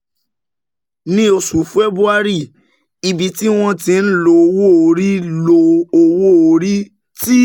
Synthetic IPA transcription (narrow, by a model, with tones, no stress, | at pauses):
nĩ˧o˧su˨fɛ˦bɾu˦a˦ɾi˦˨ | i˧bi˧ti˦w̃ɔ̃˧tĩ˧n̩˦lo˧wo˦˨o˨ɾi˦lo˧o˧wo˦o˧˨ɾi˦ | ti˦